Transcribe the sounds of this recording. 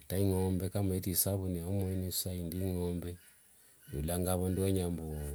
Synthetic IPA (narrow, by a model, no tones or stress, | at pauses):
taiŋɔmbɛkamuɛtisaβunɛɔmɔinisaindiŋɔmbɛ | julaŋɡaβɔndiwaɲambɔ